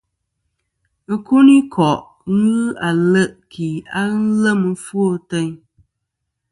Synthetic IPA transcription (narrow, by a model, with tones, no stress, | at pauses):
ku˦ni˦kʰɔ˨ʔ | ɣɨ˦a˨lə˦ʔkʰi˨a˦n̩˦lə˦mɨ˨˦fu˦o˦tɛ˦ɲ